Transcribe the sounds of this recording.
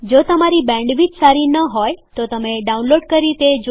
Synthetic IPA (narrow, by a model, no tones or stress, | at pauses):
d͡ʒot̪əmaɾibɛ̃ɳɖʋid͡ʒsaɾinəɦojt̪ot̪əmeɖaunloɖkəɾit̪ed͡ʒ